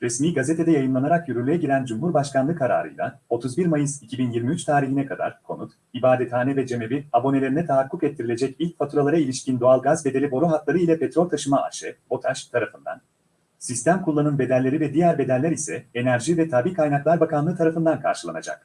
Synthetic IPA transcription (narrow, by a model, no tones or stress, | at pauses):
ɾɛsmiːɡaze̞t̪ʰe̞d̪ɛjajɯnlˠanaɾakjyɾynlʲyjɛɟiɾænd͡ʒumɦuɾbaʃkanˠɯkʰːaɾa̰ːɾɯ̰jlˠa̰o̞t̪ʰuzbiɾmajɯzicʰibinjiɾmiyt͡ʃt̪ʰaːɾiçinɛkʰad̪a̰ɾ̥kʰo̞̰nut̪ | ibaːd̪ɛt̪ʰaːnɛvɛd͡ʒe̞mebiabo̞ne̞lʲeinɛt̪ʰaɦakʰːukɛt̪ʰːiɾilʲe̞d͡ʒɛcilʲc̚fat̪ʰuɾalˠaɾailʲiʃcind̪oalˠɡazbe̞d̪e̞lʲibo̞ɾoɦat̪lˠaɾɯilʲɛpʰet̪ɾo̞lʲt̪ʰaʃɯmaa̰ʃɛo̞t̪ʰaʃt̪ʰaɾafɯnd̪a̰n | sist̪ʰæmkʰulˠːanɯnbe̞d̪ælʲːe̞ɾivɛd̪ijæɾbe̞d̪ælʲːæɾisɛenæɾʒivɛt̪ʰaːbiːkʰajnaklˠaɾbakʰanˠɯt̪ʰaɾafɯnd̪ankʰa̰ɾʃɯlˠa̰na̰d͡ʒa̰k̚